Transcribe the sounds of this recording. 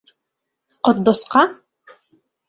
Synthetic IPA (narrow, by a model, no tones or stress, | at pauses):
qot̪̚d̪ɔsqɑ